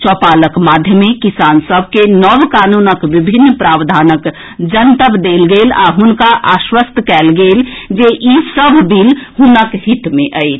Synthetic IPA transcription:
t͡ʃɔːpaːləkmaːd̪ʱjəmẽkisaːnsəbʱkenəʋkaːnuːnəkʋibʱɪnːpɾaːwd̪ʱaːnək | d͡ʒənt̪əbd̪eːlɡeːla̰ɦʊnkaʔaːʃwəst̪ʰkɛːlɡeːld͡ʒeʔisəbʱbʱilɦʊnəkhɪt̪mẽʔəet͡ʃʰ

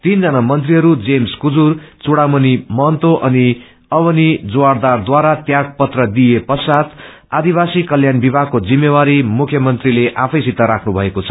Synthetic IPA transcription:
t̪ind͡zʌnamʌnt̪̬riɦʌɾud͡zemskud͡zurt͡suɽamʌnimʌnt̪oʔʌni | ʌbʌnid͡zoward̪ard̪waɾat̪jaʈ̚pʌt̪rʌd̪ijepʌsat̪ʰ | ad̪iβasikʌljanbibʱakod͡zimːewaɾimukʰjʌmʌnt̪rileʔapʰʌjsit̪ːaɾakʰnubʱʌekot͡sʰʌ̥

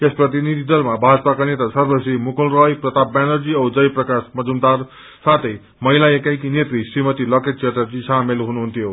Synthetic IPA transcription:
esprʌt̪̬inid̪ʱid̪ʌlmabʱad͡zpakanet̪asʌrbʌsimukulrʌjprʌt̪abbanʌrd͡ziʌwd͡zʌjprʌkasmʌd͡zumd̪ar | sat̪ʰʌj | mʌilaekajkinet̪ɾisrimʌt̪ilʌkeʈ̚t͡ʃeʈʌrd͡ʑisʰamelɦunuɦunt̪ʰjo

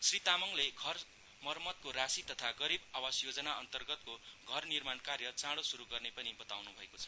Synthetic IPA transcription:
srit̪amʌŋleɡʱʌr | mʌrmʌt̪̚koɾasit̪ʌt̪ʰaɡʌɾibawasjod͡zʌnaʌnt̪ʌrɡʌt̪koɡʱʌrnirmankarjʌt͡sãɽosuɾuɡʌrnepʌnibʌt̪awnubʱʌekot͡sʰʌ̥

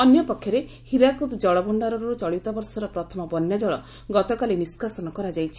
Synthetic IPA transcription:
ɔnjɔpɔkʰːjɔɾe | hiɾakut̪d͡ʒɔɭɔbɔɳɖaɾɔɾuɾut͡ʃɔɭit̪ɔbɔɾsɔɾɔpɾɔt̪ʰɔmɔbɔnjad͡ʒɔɭɔ | ɡɔt̪ɔkaliniskasɔnɔkɔɾad͡ʒajt͡ʃʰi̥

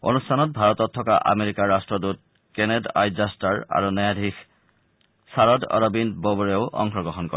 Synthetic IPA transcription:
o̰nustʰanɔt̚bʱaɹɔtɔtʰːɔka̰ʔa̰meɹikaɹːastɹɔdut̚ | kenɛda̰jzastaɹa̰ɹunajadʱix | saɹɔdɔ̰ɹɔbinbɔbɔɹeoʊʔɔ̰ŋxɔɡɹɔɦɔnkɔ̰ɛ

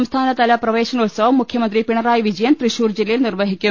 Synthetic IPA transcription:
ɐmst̪ʰaːnɐt̪ɐlɐprɐʋeːɕɐnɐut̪sɐʋɐmːukʰjɐmɐnd̪ripiɳɐɾaːjʋid͡ʑɐjɐnt̪riɕuːrd͡ʑilːɐjilnirʋɐɦikʲːu

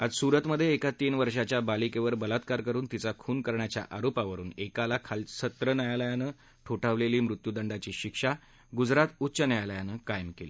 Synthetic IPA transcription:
ad͡zsuɾət̪məd̪ʱːjeːkat̪iːnʋəɾʂat͡ɕjabalikeʋəɾbəlat̪kaɾkəɾuːnt̪it͡sakʰuːnkəɾɳjat͡ɕja̰ʔaɾopaʋəɾṵːnekalakʰalsət̪ɾənəjaləjanəː | ʈʰoʈaʋleliːmɾut̪jud̪əɳɖat͡ɕiːɕikʂa | ɡud͡zɾat̪utːɕənəjaləjanəːkajəmkeliː

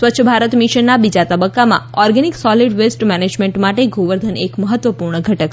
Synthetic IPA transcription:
sʋətːʃʰəbʱaɾət̪miʃənːabid͡ʒat̪əbəkːamã̰ɔɾɡɛniksɔliɖʋesʈmɛned͡ʒmeɳʈmaʈeɡʱoʋəɾd̪ʱənekməɦət̪ːʋəpuɾɳəɡʱəʈək

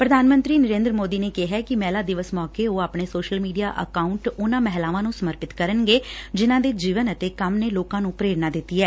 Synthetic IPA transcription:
pɾəd̪ʱaːnmə̃nt̪ɾiːnəɾẽːnd̪ɾəmoːd̪iːneːkɪɦɛːkɪmɛːlaːd̪ɪʋəsmɔːkeːɦoːaːpɳeːsoːʃəlmiːɖija̰ːʔə̰kaːʊɳʈʊnãːmɛɦlaːʋãːnũːsəməɾpɪt̪kəɾənɡeːd͡ʒɪnãːd̪eːd͡ʒiːʋənət̪eːkəmneːloːkãːnũːpɾeːɾnãːd̪ɪt̪ːiːɛː

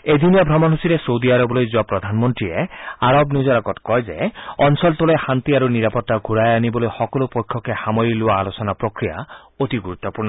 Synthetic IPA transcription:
ed̪ʱinijɔbʱɾɔmɔnɦusiɾesowd̪iaɾɔbɔlojd͡ʒuapɾɔd̪ʱanmɔnt̪ɾieaɾɔbnud͡ʒɔɾaɡɔtkɔjd͡ʒeɔnsɔlt̪ɔlehant̪iaɾuniɾapɔt̪ːaɡʱuɾajanibɔlojxɔkɔlupojkʰjɔkehamɔɾiluaːlosɔnapɾokɾija̰ | oʈiɡuɾut̪ːɔpuɾnɔ

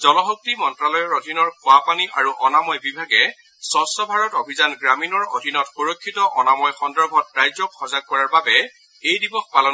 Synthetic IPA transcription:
z̥ɔlɔɦok̚timɔntɹalɔjɔɹodʱinɔɹkʊapaniʔaɹuʔɔnamɔjbibʱaɡɛ | sɔstɔbʱaɹɔtobʱizanɡɹaminɔɹodʱinɔtxuɹokʰːitɔʔɔnamɔjxɔndɔɹbʱɔt̚ɹajzɔkxɔzaɡ̚kːɔɹaɹbabɛ | ejdibɔxpalɔn

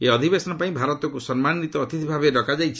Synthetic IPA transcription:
eɔd̪ʱibesɔnɔpaĩbʱaɾɔt̪ɔkusɔnmanːit̪ɔːt̪it̪ibʱabeɖɔkad͡ʒajt͡ʃʰi̥

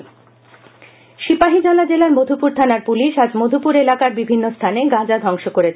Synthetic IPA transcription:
ʃipaɦid͡ʑɔlad͡ʑelaɾmod̪ʱupuɾt̪ʰanaɾpuliʃad͡ʑmod̪ʱupuɾelakaɾbibʱinːost̪ʰaneɡãd͡ʑad̪ʱɔŋʃokoɾet͡ɕʰ

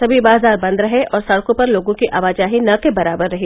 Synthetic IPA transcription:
sɐbʱibaːzaːɾbɐ̃nd̪ɾɐɦeʔɔːɾsɐɽkõpɐɾloːɡõkiʔʔaːʋaːd͡ʒaːɦinɐkebɐɾaːbəɾːɐɦe

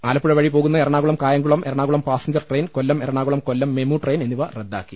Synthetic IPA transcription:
aːlɐpːuɻɐʋɐɻipo̞ːɣunːɐeɾɐɳaːɣuɭɐmkaːjɐŋɡuɭɐmeɾɐɳaːɣuɭɐmpaːsɐɲd͡ʑɐrʈreːnkolːɐmeɾɐɳaːɣuɭɐmkolːɐmːemuʈrejnenːiʋɐred̪ːa̰ːkːi

